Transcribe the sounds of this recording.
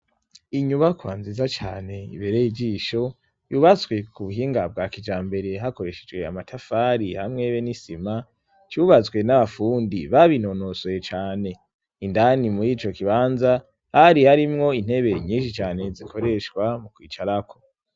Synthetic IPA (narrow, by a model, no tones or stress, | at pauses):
iɲuβakwaːnzizat͡ʃaːne̞ḭβeɾejid͡ʒiʃo̞ | juːβazɡwe̞kuβuɦiːŋɡab̚ɡaːkid͡ʒaːmbe̞ɾe̞ɦako̞ɾe̞ʃed͡ʒwe̞a̰matʰafaːɾihamŋe̞βenisima | t͡ʃuβat͡sɡwe̞naβafuːndiβaβino̞no̞soet͡ʃaːne̞ | indanimuɾiːt͡ʃo̞kiβaːnza | haɾihaɾimŋo̞in̥he̞βe̞ɾiɲĩːnʃit͡ʃaːne̞zikʰo̞ɾe̞ʃkwamukwiːt͡ʃaɾakʰo̞